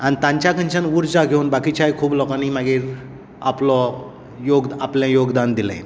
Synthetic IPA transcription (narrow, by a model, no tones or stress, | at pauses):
anit̪ãɲt͡ɕjakʰəɲt͡ɕanʋuɾd͡zaɡʱeunbakit͡ɕajkʰuːblɔkaniːmaɡiːɾ | a̰plɔ | joɡd̪apljãjoɡd̪and̪ila̰j